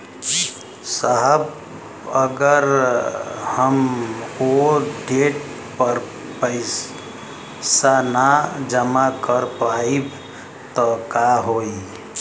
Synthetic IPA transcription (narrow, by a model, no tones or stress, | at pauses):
saɦəb | əɡəɾ | həmoɖeʈ | pəɾ | pəɪs | sanad͡ʒəmakəɾpaib | t̪ɔkaɦoi